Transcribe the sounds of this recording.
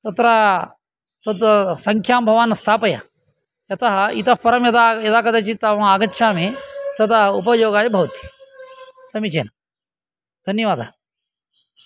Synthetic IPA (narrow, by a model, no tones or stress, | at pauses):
t̪ɐt̪ɾa | t̪ɐt̪ɐsɐŋkʰjaːmbʱɐʋaːnɐst̪ʰaːpɐjɐ̰ | jɐt̪ɐɦɐ̆it̪ɐpɐɾɐmjɐd̪ajɐd̪aːkɐd̪ɐt͡ʃit̪aːʋɐaːɡɐtːʃʰaːmet̪ɐt̪ɐɦɐupɐjoːɡaːjɐbʱɐʋɐt̪i̥ | sɐmit͡ʃeːnɐ | d̪ʱɐnjɐʋaːd̪ʱa